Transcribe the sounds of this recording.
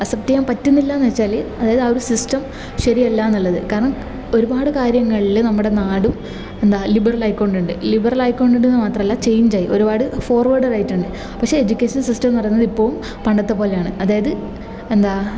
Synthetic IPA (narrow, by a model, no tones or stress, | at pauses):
ɐsɐptijaːmpɐtːunːilːaːnːɐt͡ɕːaːleɐðaːjɐðɐoɾusistɐm | ɕɐɾielːaːnːɐlːɐðɨkaːɾɐɳɐm | o̞ɾubaːɽɨkaːɾjɐŋːɐɭilnɐmːuɽe̞naːɽum | e̞nd̪aːlibɐrɐlɐjkːoːɳɖuɳɖɨlibɐrɐlɐjkːo̞ːɳɖuɳɖenːɨmaːt̪rɐmelːaːt͡ɕe̞jːuɲd͡ʑaːjio̞ɾubaːɽɨfo̞ːrʋɐrɖɐraːjiʈːuɳɖɨ | pɐkʂeed͡ʑukʲːeːʂɐnsistɐmnɐrɐunːɐðipːo̞ːɻum | pɐɳɖɐt̪ːɐpo̞ːle̞jaːɳɨɐðaːjɐðɨ | end̪aː